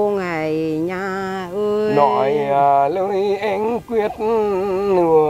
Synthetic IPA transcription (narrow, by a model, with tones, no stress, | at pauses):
ŋa˨˩jɲa˧ | ʔə˧nɔ˧˨˩jəː˨˩ləː˧˦jʔɛ˧ŋkwi˧ət̚nɨ˨˧˩ə